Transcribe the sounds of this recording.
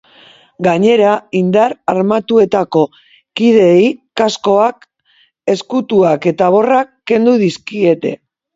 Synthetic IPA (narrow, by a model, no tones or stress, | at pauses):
ɡaɲe̞ɾaind̪aɾaɾmat̪ue̞t̪ako̞ | kið̞e̞jkasko̞ak | e̞skut̪uake̞t̪aβo̞rakːe̞nd̪uðiskie̞t̪e̞̰